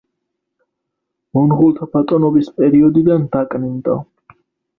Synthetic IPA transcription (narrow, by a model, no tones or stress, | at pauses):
mɔnʁulˠt̪ʰapʰat̪ʼɔnɔbispʼɛɾiɔd̪id̪and̪̥akʼnind̪ɔ̰